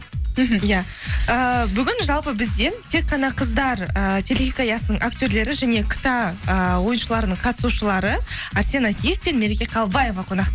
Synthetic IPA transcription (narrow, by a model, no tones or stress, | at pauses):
m̩ɦja | əbʏɡʲɪnʒɑlˠpəbɪzd̪e̞nt̪ʰe̞k̚ːɑnɑqʰəzd̪ɑɾət̪ʲʰe̞lʲeɣʲikajɑsənəɴʔaktʲø̞ɾle̞ɾɪʒæne̞kʲʰə̥t̪aəwo̞jənʃəlˠɑɾənəɴqʰɑt̪ə̥suʃəlˠɑɾəaɾsʲenakʲije̞fpe̞nme̞ɾekʲe̞qʰɑlˠbaje̞vɑqʰo̞nɑqt̪